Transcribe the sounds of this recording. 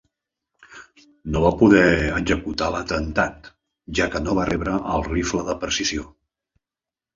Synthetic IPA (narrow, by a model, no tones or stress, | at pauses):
noβapuðɛəɡzəkut̪alət̪ənt̪at̪ | ʒakənoβarɛβɾəʔəlˠrifləðəpəɾsizio